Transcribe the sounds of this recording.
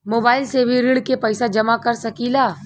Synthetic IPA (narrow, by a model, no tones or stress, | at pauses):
moːbaːɪlsebʱiɾɪɽkepɐɪsad͡ʒɐmakɐɾsɐkilaː